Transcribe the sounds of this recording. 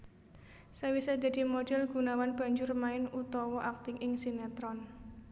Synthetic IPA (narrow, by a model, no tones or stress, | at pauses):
sawisadd͡ʒa̤d̪̥i̤modɛlɡ̥ṳnawanb̥ä̤ɲd͡ʒʊrmaɪnut̪ɔwɔʔak̚t̪ɪŋɪŋsinɛt̪ɾɔn